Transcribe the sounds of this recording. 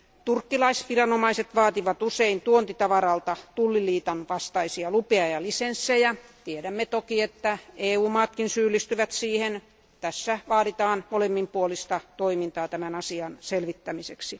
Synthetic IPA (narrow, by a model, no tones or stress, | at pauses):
t̪urkːilɑisʋirɑnomɑiset̪ʋɑːt̪iʋɑt̪useint̪uont̪it̪ɑʋɑrɑlt̪ɑt̪ulːiliːt̪ɑnʋɑst̪ɑisiɑlupeɑjɑlisensːejɑt̪ieɾæmːet̪okiet̪ːæeːuːmɑːt̪kinsyːlist̪yʋæt̪siːhen | t̪æsːæʋɑːɾit̪ɑːnmolemːimpuolist̪ɑt̪oimint̪ɑːt̪æmænɑsiɑnselʋit̪ːæmiseksi